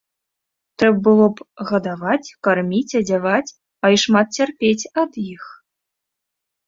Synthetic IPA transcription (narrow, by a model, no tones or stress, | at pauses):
t̪ɾɛbbɨlˠɔpɣɐd̪avat͡sʲkarmʲit͡sʲɐd͡zʲavat͡sʲ | ɐiʂmat̪̚t͡sʲarpʲet͡sʲɐd̪jix